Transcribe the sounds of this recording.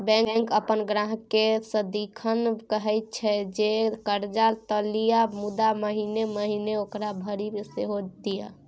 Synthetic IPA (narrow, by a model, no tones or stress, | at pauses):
bɛ̃ŋ̃ŋkəpənɡɾaɦkesə̃d̪ikʰənkəɦɛjt̪̚t͡ʃʰɛd͡ʒekəɾd͡ʒat̪əlijamud̪aməɦineməɦineokɾabʱəɾimeseɦod̪ija